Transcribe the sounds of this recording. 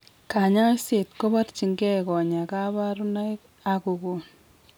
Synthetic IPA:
ka˨ɲa˦se˨tko˦ba˦ɾt͡ʃi˨ŋɡɛ˦kɔ˨ɲa˨ka˦βa˦ɾu˦na˦j | a˦ku˨ko˨n

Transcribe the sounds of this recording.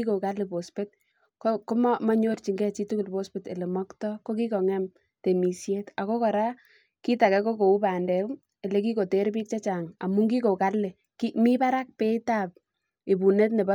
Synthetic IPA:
iko˨ka˦le˨po˨spe˦t | koko˦ma˦ma˦ɲo˦ɾt͡ʃi˨ŋɡɛ˦t͡ʃi˦tu˦ku˨lpo˦spete˨le˨mɔ˦ktɔ˦ko˦k̬i˦kɔ˨ŋɛ˦m | te˨mi˨sje˦ta˨ko˦kɔ˨ɾa˦ | ki˦ta˨kɛ˦ko˦ko˨u˦pa˨ndɛ˨˦ | e˨le˦k̬i˦ko˨te˦ɾpi˦k̚t͡ʃa˦t͡ʃa˨ŋa̰˨mu˦ŋɡi˦ko˨ka˦lːe˨ | ki˦mi˦pa˦ɾa˦k̚pe˦ita˦p̚ | e˨bu˨ne˦t̬ne˨ba˦

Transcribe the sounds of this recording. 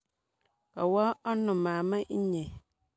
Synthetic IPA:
a˨wa˦ɔ˦nʊ̃˨mãː˨mã˦ɲɛ̃˨

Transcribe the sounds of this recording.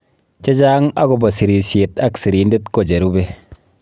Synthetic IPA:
t͡ʃe˦d͡ʒa˦ŋa˦ko˨bɔ˨si˨ɾi˨sje˨ta˦ksi˨ɾi˨nde˦tko˨d͡ʒe˨ɾu˦be˦

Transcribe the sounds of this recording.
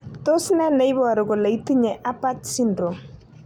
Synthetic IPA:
to˦snɛ˦nɛ˨˦i˦bɔ˦˨a˨ɾʊ˨ɡɔ˨la˨i˦ti˦ɲɛ˨ʔa˦pa˦tsi˦ndɾo˨m

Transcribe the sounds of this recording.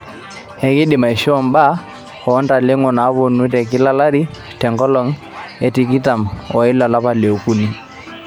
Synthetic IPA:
hɛ˨ki˦ɗi˨ma˨i˨ʃɔ˦˨mba˦ | kɔː˨˦nda˨le˦ŋɔ˨na˨˦βo˨nu˦tɛ˨ki˦la˦la˦ɾi˦ | tɛ˨ŋɡɔ˦lɔ˦ŋ | ɛ˨ti˦k̬i˦ta˨mwɔ˨i˦la˨la˦pa˦le˨u˨ku˦ni˦

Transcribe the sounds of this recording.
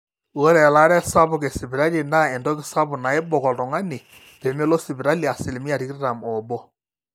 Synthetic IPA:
wɔ˦ɾɛ˨la˦ɾɛ˦sa˦bʊ˨ke˨si˨bi˨ɾa˦li˨na˦ɛ˨ndɔ˦kɪ˦sa˦bʊ˨na˨ɪ˦bɔ˨kɔ˨ltɔ˨ŋa˦ni˨ | pe˨me˦lɔ˦sɪ˨bi˨ɾa˦li˨a˨sɪ˨lɪ˨mi˦a˨ɾi˨kɪ˦ɾɾa˨mɔ˨bɔ˦

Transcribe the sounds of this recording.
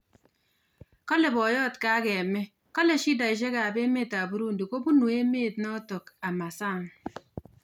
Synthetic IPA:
kɔ˦le˨bɔ˨jɔ˦˨tka˦ke˨me˦ | kɔ˦le˨ʃi˦da˨i˨ʃ̬e˦ka˨be˦meː˦˨ta˨bu˦ɾu˦n̩˨du˨ko˦bu˦nu˨e˦me˦˨tnɔ˦to˨ka˨ma˨sa˦˨ŋ

